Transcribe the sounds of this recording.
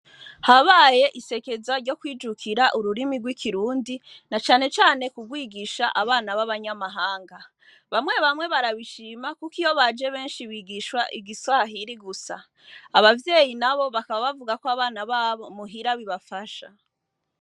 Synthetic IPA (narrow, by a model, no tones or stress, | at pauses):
haβaje̞ʔise̞ke̞zaɾɟo̞kwiːd͡ʒukʰiɾaʔuɾuɾimiɡwikʰiɾuːndinat͡ʃaːne̞t͡ʃaːne̞kuɡwiːɡiʃaʔaβaːnaβaβaɲamaɦaːŋɡa | βamŋe̞βamwe̞βaɾaβiʃiːmakukijo̞βad͡ʒe̞βe̞ːnʃiβiːɡiʃwaʔiɡiswaɦiɾiɡusa̰ | aβavje̞ːjinaβo̞βakaβaβavuɡakoaβaːnaβaːβo̞muɦiɾaβiβafaʃa̰